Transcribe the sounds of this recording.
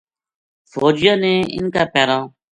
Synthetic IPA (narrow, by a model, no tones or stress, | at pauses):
foːd͡ʒjãːnẽːɪ̰nkaːpeːɾãː